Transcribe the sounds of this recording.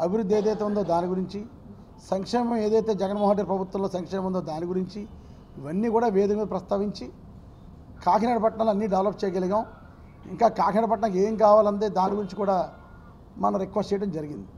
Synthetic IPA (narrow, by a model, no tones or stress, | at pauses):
ɐbʱiɾud̪ʱːieːd̪ɐjt̪eːund̪oːd̪aːniɡuɾiɲt͡ʃi | sɐŋkʂɛːmɐme̞ːd̪ɐjt̪e̞ːd͡ʒɛɡɐnmoːɦɐʈiːɾpɾɐbʱut̪ʋɐmloːsɐŋkʂɛːmɐmund̪oːd̪aːniɡuɾiɲt͡ʃi | iʋɐnːiːkuːɽaːʋeːd̪ɐk̪ːɐpɾɐst̪aːʋiɲt͡ʃi | kaːkʰinaɽɐpɐʈɳɐluɐnːiːɖɐʋlɐp̚t͡ʃɛːjɡɐliɡaːm | ḭŋkaːkaːkʰinɐːɖɐpɐʈɳɐːkeːŋkaːʋaːlɐnt̪eːd̪aːniɡuɾiɲt͡ʃikuːɽaː | mɐnɐɾekʋɐsʈɛjʈɐmd͡ʒɐɾiɡind̪i